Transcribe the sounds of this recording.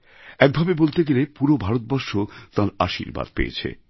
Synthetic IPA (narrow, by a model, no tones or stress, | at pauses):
ɛk̚bʱabebolt̪eɡelepuɾobʱaɾot̪̚bɔɾʃot̪ãɾaʃḭɾba̰d̪̚pḛḛt͡ɕʰḛ